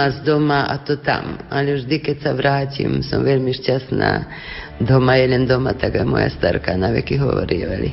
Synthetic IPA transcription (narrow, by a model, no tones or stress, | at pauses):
asd̪omaʔa̰t̪ot̪a̰maliuʐd̪iket͡saʋɾaːt͡ʃḭmsomʋelmiʂt͡ʃasna̰ | d̪ʱomajelend̪omat̪aɡamo̰ja̰st̪aɾkanaʋḛkiɦoʋo̰ɾieʋalḭ